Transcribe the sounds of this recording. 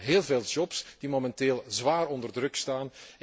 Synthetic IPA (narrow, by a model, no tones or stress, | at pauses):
ɦeːlˠveːlˠd͡ʒɔpsd̥imomɛnteːlˠzʋaːɾɔndərdrɵkstaːn